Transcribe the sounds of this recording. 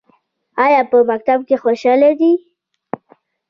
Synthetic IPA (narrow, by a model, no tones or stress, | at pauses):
ajɑpəmak̚t̪ab̚kexoʃɑled̪i